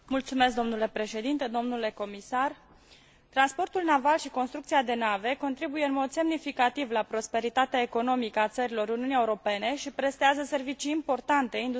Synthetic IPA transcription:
mult̪sume̞sk̚d̪o̞mnule̞pɾe̞ʃe̞d̪int̪e̞d̪o̞mnule̞ko̞misar | t̪ɾanspo̞rt̪ulnavalʃiko̞nst̪ɾukt̪siad̪e̞nave̞ko̞nt̪ɾibujeɨnmo̞d̪se̞mnifikat̪ivlapɾo̞spe̞ɾit̪at̪eaeko̞no̞mikəat̪səɾilo̞ɾuniunieuɾo̞pe̞ne̞ʃipɾe̞st̪eazəse̞rvit͡ʃiːmpo̞rt̪ant̪e̞ind̪

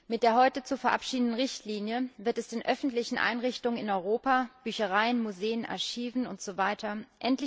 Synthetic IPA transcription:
mɪt̚d̥eːɐɦɔʏtət͡sufɛɐʔapʃiːdn̩dənʁɪçtʰliːnjəvɪɐtɛsd̥eːnʔœfn̩tlɪçn̩ʔa̰ɪnʁɪçtʊŋənɪnɔʏʁoːpab̥yːçəʁ̞aɪənmuzeːənʔa̰ɐçiːvn̩ʊntz̥ovaɪtʰɐʔɛntlɪ

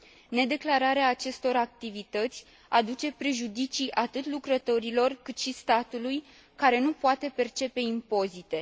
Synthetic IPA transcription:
ne̞d̪e̞klaɾaɾeaːt͡ʃe̞st̪o̞ɾak̚t̪ivit̪ət̪sʲ | ad̪ut͡ʃe̞pɾe̞ʒud̪it͡ʃijʔat̪ɨt̪lukɾət̪o̞ɾilo̞rkɨt̪ʃist̪at̪uluj | kaɾe̞nupoat̪e̞pe̞rt͡ʃe̞pe̞impo̞zit̪e̞

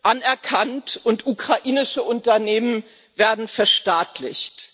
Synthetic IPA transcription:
ʔanɛɐkʰantʔʊntukʁ̥aʔiːnɪʃəʔʊntɐneːmən | veːɐdn̩fɛɐʃtaːtlɪ̰çt

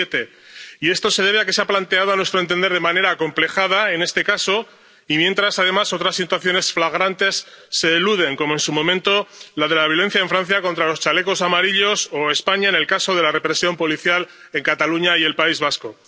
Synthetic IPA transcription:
et̪e̞ | ie̞st̪o̞se̞ð̞e̞β̞e̞ake̞seaplant̪eaðoanwe̞st̪ɾont̪̬e̞nd̪eɾð̞e̞mane̞ɾako̞mple̞xað̞ae̞ne̞st̪e̞kaso̞ | imje̞nt̪ɾasaðe̞maso̞t̪ɾasːit̪waθjo̞ne̞sflaɣ̞ɾant̪e̞sː | e̞ːluð̞e̞ŋko̞mo̞e̞nsumõ̞mẽnt̪o̞laðe̞laβ̞jole̞n̟θjaeɱfɾan̟θjako̞nt̪ɾalo̞st͡ʃale̞ko̞samaɾiʎo̞so̞e̞spaɲaene̞lkaso̞ð̞e̞lare̞pɾe̞sjo̞mpo̞liθjal | e̞ŋkat̪aluɲaie̞lpaizβasko̞

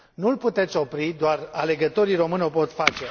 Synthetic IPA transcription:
nulput̪e̞t̪sʲo̞pɾid̪oarale̞ɡət̪o̞ɾiro̞mɨnopo̞t̪fat͡ʃe̞

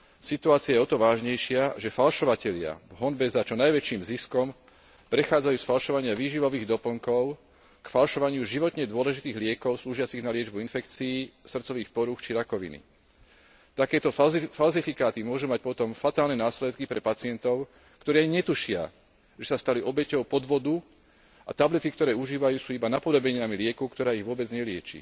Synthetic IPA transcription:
sit̪uaːt͡siajɛɔt̪ɔʋaːʒɲɛjʃɪaʒɛfalʃɔʋacɛʎɪa̰ɦɔnbɛzat͡ʃɔnajʋɛt͡ʃiːmziskɔm | pɾɛxaːd͡zajuːsfalʃɔʋaɲɪaʋiːʒiʋɔʋiːɣd̪ɔpl̩ŋkɔʊ | kfalʃɔʋaɲɪuʒiʋɔt̪ɲɛd̪ʊɔlɛʒit̪iːɣlɪɛkɔʊsluːʒɪat͡siɣnalɪɛd͡ʒbuinfɛkt͡siːsr̩t͡sɔʋiːxpɔɾuxt͡ʃiɾakɔʋḭnḭ | t̪akɛːt̪ɔfalzifikaːt̪imʊɔʒumac̚pɔt̪ɔmfat̪aːlnɛnaːslɛt̪kipɾɛpat͡sɪɛnt̪ɔʊ | kt̪ɔɾɛajɲɛt̪uʃɪa̰ | ʒɛsast̪aliʔɔbɛcɔʊpɔd̪ʋɔd̪u | a̰t̪ablit̪ikt̪ɔɾɛːuʒiːʋajuːsuːibanapɔd̪ɔbɛɲinamilɪɛkɔkt̪ɔɾaːiɣʋʊɔbɛd͡zɲɛlɪɛt͡ʃḭ

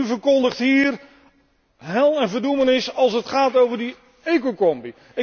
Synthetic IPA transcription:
yvəɹkɔndəχtɦiːr | ɦɛlˠɛnvəɹdumənɪsɑlˠsətχaːtowvəɹdi | ekokɔmbi | ɪ

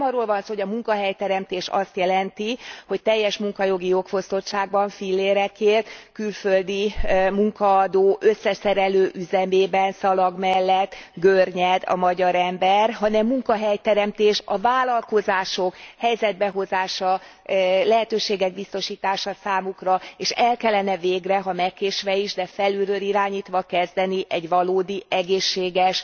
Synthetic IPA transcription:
mɒrːolvɒnsoːɦoɟɒmuŋkɒɦɛjt̪ɛɾɛmt̪eːʃɒst̪jɛlɛnt̪iho̞ct̪ɛjːɛʃmuŋkɒjo̞ɡijo̞kfo̞st̪o̞tʃaːɡ̚bɒɱfilːeːɾɛkeːrt̪kylføld̪imuŋkɒːd̪oːʔø̞sːɛsɛɾɛløːʔyzɛmeːbɛnsɒlɒɡmɛlːɛt̪ːɡørɲɛd̪ɒ̰mɒɟɒɾɛmbɛrɦɒnɛmːuŋkɒɦɛjt̪ɛɾɛmt̪eːʃɒvaːlɒlko̞zaːʃo̞khɛjzɛd̪̚bɛɦo̞zaːʃɒ | lɛɦɛt̪øːʃeːɡɛɡ̚bist̪o̞ʃiːt̪aːʃɒsaːmukrɒeːʃɛlkɛlːɛnɛveːɡrɛɦɒmɛkːeːʃʋɛiʒd̪ɛfɛlyɾøːliɾaːɲiːt̪ʋɒkɛzd̪ɛniʔɛɟʋɒloːd̪iʔɛɡeːʃːeːɡɛʃ

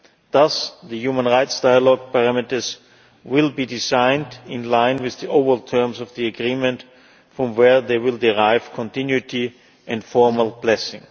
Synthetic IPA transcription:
ðʌsðəjuːmə̃nɹaɪtsd̥aɪəlɔɡ̚pəɹæmɪtə˞s | wɪlˠbidɪzãɪ̃ndɪ̃nlãɪ̃nwɪððiʔoʊvəltʰɜ˞msɔvðiəɡɹĩːmɨ̃nt | fɹɔ̃mwɛ˞ðeɪwɪlˠdɪɹaɪv̥kʰɔ̃ntɪ̃njuɪtʰi | ʔɛ̃ndfɔɹməl̩ˠblɛsɪ̰̃ŋ

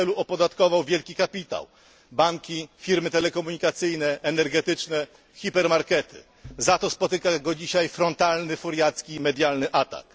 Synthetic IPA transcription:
ɛluɔpɔd̪at̪kɔvawvʲjɛlkʲikapʲit̪a̰w | baŋkʲifʲiɾmɘt̪ɛlɛkɔmuɲikat̪sɘjnɛʔːnɛɾɡɛt̪ɘt͡ʂnɛ | xʲipɛɾmaɾkɛt̪ʰɘ̰ | zat̪ɔspɔt̪ɘkaɡɔd͡ʑiɕajfɾɔnt̪alnɘfuɾjat̪skʲimɛd̪ʲjalnɘʔat̪a̰k

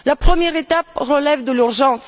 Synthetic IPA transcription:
lapχəmjɛʁet̪apʁəlɛvd̪əlyʁʒɑ̃s

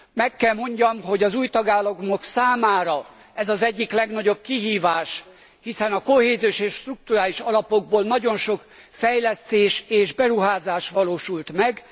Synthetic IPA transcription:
mɛkːɛlmo̞ɲɟɒmɦo̞ɟɒzuːjt̪ɒɡaːlːɒɡmoksaːmaːɾɒ | ɛzɒzɛɟːiklɛɡnɒɟo̞b̚kiɦiːvaːʃ | hisɛnɒko̞heːzijoʃeːʃt̪ruk̚t̪uɾaːliʃɒlɒpo̞ɡ̚boːlnɒɟo̞nʃo̞k | fɛjlɛst̪eːʃeːʒbɛɾuɦaːzaːʃʋɒloːʃult̪mɛɡ

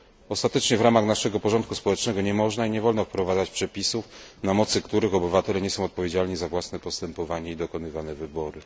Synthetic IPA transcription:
ɔst̪at̪ɛt͡ʂɲɛvɾamaxnaʂɛɡɔpɔʐɔnt̪̚kuspɔwɛt͡ʂnɛɡɔɲɛmɔʐnaiɲɛvɔlnɔfpɾɔvad̪zat͡ɕpʂɛpʲisufnamɔt̪sɘkt̪uɾɘxɔbɘvat̪ɛlɛɲɛsɔ̃w̃ɔt̪̚pɔvʲjed͡ʑalɲizavwasnɛpɔst̪ɛmpɔvaɲɛid̪ɔkɔnɘvanɛvɘbɔɾɘ

